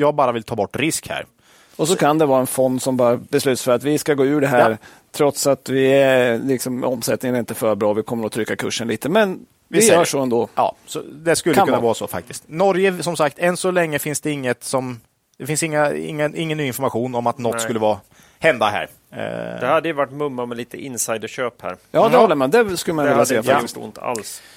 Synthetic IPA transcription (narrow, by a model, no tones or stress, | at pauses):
jɑːɡbɑːɾavɪlt̪ʰɑːbɔʈːɾɪskhæ̰ːɾ | ɔsɔkʰand̪ɛvɑːɾaɛnfɔnd̪sɔmbɑːɾabɛslʉ̟ːt̪sfœɾat̪vɪskaɡoːʉ̟ːɖɛɦæːɾ | t̪ʰɾɔt̪sat̪vɪɛlɪksɔmɔmsɛt̪nɪŋənæɾɪnt̪əfœːɾbɾɑːvɪkʰɔmːəɾɔt̪ʰɾʏkːakʰɵʂːənliːt̪əmɛn | ɪœːʂɔɛnd̪oːɑ̰ːsɔ̰d̪ɛskɵlkːəkɵnavɑːɾasɔfa̰k̚t̪ɪst̪nɔɾjəsɔmsakt̪ʰɛnsɔlɛŋːəfɪnsd̪ɛɪŋːət̪sɔm | d̪̥ɛfɪnsɪŋːaɪ̰ŋːəɪŋːənːyːɪnfɔɾmaɧuːnɔmat̪nɔt̪skɵlːəvɑː | hɛnd̪aɦæ̰ːɾ̰ | d̪ɛhad̪ːəjəvaʈːmɵmːamɛliːt̪ʰəʔɪnsajd̪əɕøːphæ̰ːɾjɑːd̪ɛhɔlːəɾmand̪ɛskɵlːəmanɪlːasɛjːaffaast̪ʊɪnt̪əa̰ls